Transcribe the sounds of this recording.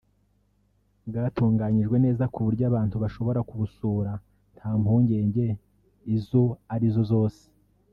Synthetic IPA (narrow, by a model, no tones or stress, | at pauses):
bɡaːtuːŋɡaːɲiʒɡwe̞ne̞ːzakuβuɾɟaβaːntuβaʃoβo̞ɾakuβusuːɾa | n̥haːmhuːɲɟe̞ːɲɟe̞ | izoaɾizo̞zo̞ːse̥